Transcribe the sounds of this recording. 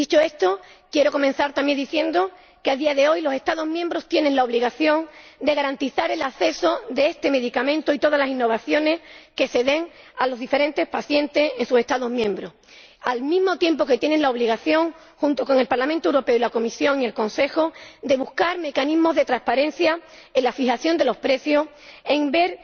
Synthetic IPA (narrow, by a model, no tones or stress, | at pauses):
d̪it͡ʃoe̞st̪o̞ | kje̞ɾo̞ko̞mẽn̟θaɾt̪amje̞nd̪iθje̞nd̪o̞ | keaðiaðe̞o̞jlo̞se̞st̪aðo̞zɦmjembɾo̞st̪je̞nẽ̞ŋlaoβliɣaθjõ̞ŋd̪e̞ɣaɾant̪iθaɾe̞laθe̞so̞ðe̞est̪e̞me̞ðikamẽ̞nt̪oit̪o̞ð̞alasinːo̞βaθjo̞ne̞ske̞se̞ðe̞ŋ | alo̞zðife̞ɾe̞nt̪e̞hpaθjẽ̞nt̪e̞se̞nsuse̞st̪aðo̞zmjẽ̞mbɾo̞ | almĩzmo̞t̪je̞mpo̞ke̞t̪je̞neŋlao̞βliɣaθjo̞ŋ | xunt̪o̞ko̞ŋe̞lpaɾlamẽnt̪owɾo̞pe̞oilako̞misjo̞ŋie̞lkõ̞nse̞xod̪e̞βuhkaɾme̞kanizmo̞zðe̞t̪ɾaspaɾẽ̞n̟θja | enlafixaθjo̞nd̪e̞lo̞spɾe̞θjo̞s | e̞ŋbe̞ɾ